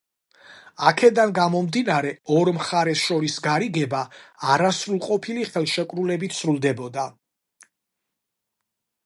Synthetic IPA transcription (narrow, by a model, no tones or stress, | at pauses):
akʰɛd̪anɡamɔmd̪inaɾɛɔɾmχaɾɛsʃɔɾisɡaɾiɡɛbaːɾasɾulˠqʼɔpʰiliχɛlˠʃɛkʼɾulɛbit̪ʰsɾulˠd̪ɛbɔd̪a